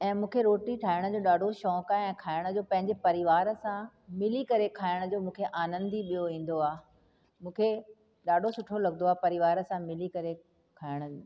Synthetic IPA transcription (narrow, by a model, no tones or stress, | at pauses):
ɛ̃ːmũːkʰeɾoːʈiʈʰaːɪɽ̃ə̆d͡ʑoːɗaːɖʱoʃɔːkaɛ̃ːkʰaːɪɽ̃d͡ʑoːpɐ̃ɦɪɲd͡ʑepɐɾɪʋaːɾsã | mɪlikɐɾekʰaːɪɽ̃əd͡ʑoːmũːkʰeʔaːnə̃nd̪iɓijoʋĩːn̆d̪oaː | mũːkʰe | ɗaːɖʱosʊʈʰolɐɡənd̪oaːpɐɾɪʋaːɾsãmɪlikɐɾe | kʰaːɪɽ̃ə